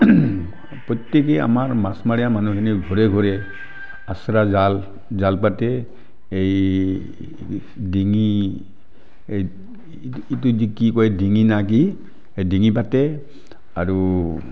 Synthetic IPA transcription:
pɔtek̬ea̰maɹmasmaɹijamanukʰiniɡʱɔɹɛɡʱɔɹɛ | asɾazal | zalp̬atɛ | ej | diŋi | ej | ituzikikɔjdiŋinak̬i | ejdiŋip̬atɛ | aɹu

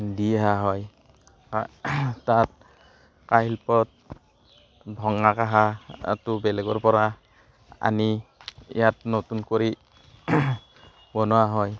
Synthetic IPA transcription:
diɦaɦɔj | tat̚ | kaɦilpɔt̚ | bʱɔŋakaɦa̰tʊbɛlɛɡɔɹpɔɹa | a̰niɛ̰jat̚notunkoɹi | bɔnɔwaɦɔj

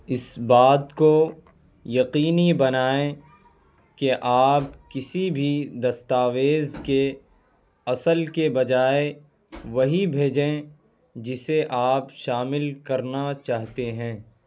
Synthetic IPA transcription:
ɪsbaːd̪ko | jɐqiːnibɐnaːẽ | keʔaːp̚kɪsibʱid̪ɐst̪aːʋeːzke | ɐsəlkebɐd͡ʒaːe | ʋɐɦibʱeːd͡ʒẽ | d͡ʒɪseʔaːpʃaːmɪlkɐɾnat͡ʃaːɦt̪eɦɛ̃ː

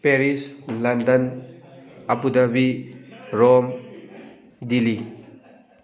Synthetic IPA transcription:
peɾislɐndɐn | ɐpudɐbi | ɾom | dili

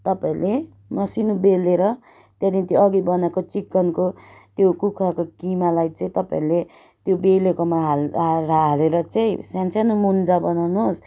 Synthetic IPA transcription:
t̪ʌpaĩle | mʌsinubeleɾʌ | t̪jad̪ĩt̪joʌɡibʌnakot͡sikːʌnkot̪jokukʰɾakokimalajt͡sʌĩt̪ʌpa̰ĩle | t̪jobelekomaɦaaɾaɦleɾʌt͡saĩsãnt͡sʰjanumund͡zabʌnawnuɦos

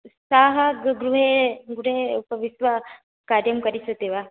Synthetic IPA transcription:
saːɦɐɡɡɾuɦeɡɾuɦeupɐʋisʋɐ | kaːɾjɐmkɐɾisət̪eʋa

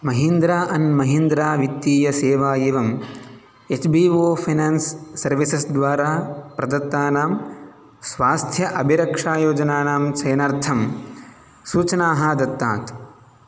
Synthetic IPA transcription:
mɐɦind̪ɾaːʔɐnmɐɦind̪ɾaːʋit̪ːiːjɐseːʋaːjeːʋɐm | et͡ʃbiːʋoːpʰɐnaːnsːɐɾʋisɐsd̪ʋaːɾaːpɾɐd̪ɐt̪ːaːnaːm | sʋaːst̪ʰjɐʔɐbʱiɾɐkʂaːjoːd͡ʒɐnaːnaːmt͡ʃɐjɐnɐɾt̪ʰɐm | suːt͡ʃɐnaːɦɐd̪ɐt̪ːaːt̪

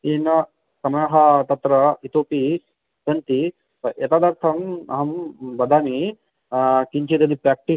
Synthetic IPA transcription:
eːnɐ | sɐmɐjɐɦɐt̪ɐt̪ɾɐit̪oːpi | bɐnt̪i | ɐʔet̪aːd̪ɐɾt̪ʰɐmɐ̰ɦɐmbɐd̪ʱaːmi | kiɲt͡ʃid̪ɐd̪ipɾaːk̚ʈi

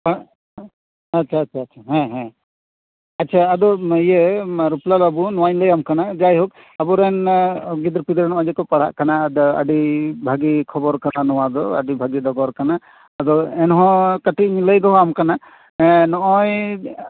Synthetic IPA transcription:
atːt͡ʃʃʰaːtːt͡ʃʰaːtʃʰaɦɛ̃ɦɛ̃ | ɐtːʃʰaːd̪ɔijeɾuplalabunɔwajləjamkanad͡ʒajɦɔk̚ | abuɾɛnɡid̪ɾpid̪ɾɛnɔɔ̃d͡ʒɛkɔpaɽ̤a̰ʔkanad̪ɔə̰ɖibʱaɡikʰɔbɔɾkananɔwad̪ɔə̰ɖibʱaɡid̪ɔɡɔɾkanaː | d̪ɔɛnɔɦɔ̃kaʈiɲiləjd̪ɔɦɔ̃amkana | ɛnɔʔɔj

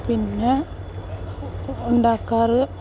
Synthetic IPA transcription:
pinːe | ʊɳɖaːkːaːɾɯ

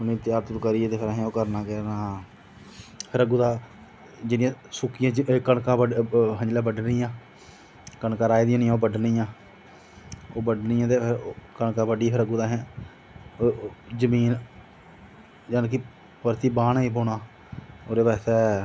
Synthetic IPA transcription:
pniːət̪jaːɾt̪okəɾiːt̪eːpʰɪɾaːɦɛ̃ːoːkəɾnaːkɛːnaː | pʰɪɾəɡuːd̪aː | d͡ʒɪnɪjãːsʊkɪjãːd͡ʒkəɳkãːəɦəɲd͡ʒlaːbəɖniːjãː | kəɳkãːɾaːid̪ijãːnijãːoːbəɖniːjãː | oːbəɖnɪːãːt̪eːpʰɪɾkəɳkãːbəɖiːpʰɪɾəɡuːd̪aːɦɛ̃ː | d͡ʒəmiːn | d͡ʒaːnki | pəɾt̪iːbaːnːiːpoːnaː | oːɾeːbɛːsɛː

